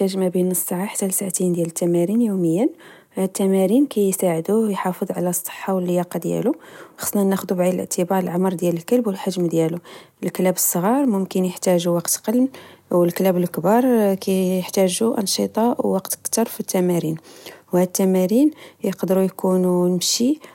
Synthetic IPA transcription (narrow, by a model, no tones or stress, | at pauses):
æʒmæbinəsˤːɑʕaħḁt̪ːælsaʕt̪ind̪jælət̪ːæmæɾinjuməjːən | hæd̪̚t̪ːæmæɾinkæjsaʕəd̪ujħɑfədðˤʕalæsˤːə̥ħːawəlːijɑqɑd̪jæ̰luxɑ̥sˤːnænːæxəd̪ubʕid̪əlʔə̰ʕt̪ʰəbɑɾˤəlʕamɾˤd̪jæləlkəlbwəlħaʒmd̪jæluəlklæbəsˤːəɣɑɾˤmʊmkənjəħt̪æʒuwɑqt̪qɑlmwəlklæbəlkbɑɾˤkæjəħt̪æʒuʔɑnʃit̪ˤɑwwɑqt̪kt̪ɑɾˤfit̪ːæmæɾinwhæd̪̚t̪ːæmæɾinjəqd̪əɾujkununəmʃi